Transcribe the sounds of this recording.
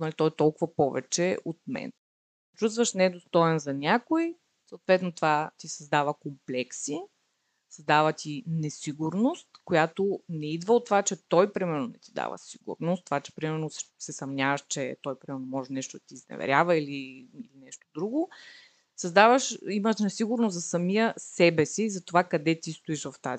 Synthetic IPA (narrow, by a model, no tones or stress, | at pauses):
nɐlit̪ɔɛt̪ɔlˠkʊvɐpɔvɛ̰t͡ʃɛot̪̚mɛ̰n | t͡ʃust̪vəʃnɛɛd̪ost̪ɔɛnzɐnʲakoi | soːt̪vɛt̪not̪ovat̪isɐzd̪avɐkomplɛksi | sɐzd̪avɐt̪ʲinɛsiɡuɾnost̪kojat̪onɛid̪vəot̪ːovat͡ʃɛt̪ɔjpɾimɛɾnonɛt̪id̪a̰və̰siɡṵɾnost̪ovat͡ʃɛ̥pɾimɛɾnossɛsɐmnʲavɐʃt͡ʃɛt̪ɔjpɾimɛɾnomɔʒɛnɛʃt̪od̪ɐt̪iːznɐ̰vɛ̰ɾjavɐiliilinɛʃt̪od̪ɾuɡo | sɐzd̪avəʃiməʃnɛsiɡʊɾnost̪zɐsɐmijəsɛbɛsiːzɐt̪ovakɐd̪ɛt̪ist̪ʊiʃvɐft̪a̰zi